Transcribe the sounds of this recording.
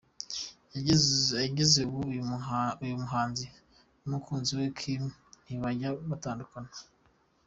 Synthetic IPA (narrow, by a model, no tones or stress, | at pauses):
jaaɟizeβu | ujumuɦaːnzi | nukʰuːnziwekʰimiβaɟaβataːndukanḁ